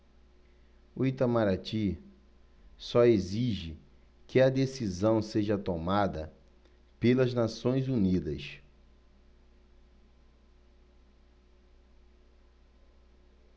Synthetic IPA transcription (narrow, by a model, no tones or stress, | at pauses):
uit̪amaɾat͡ʃi | sɔeziʒɪ | kɪɐd̪esizɐ̃w̃seʒɐt̪omad̪ɐ̰ | pelɐznasõj̃zunid̪ɐs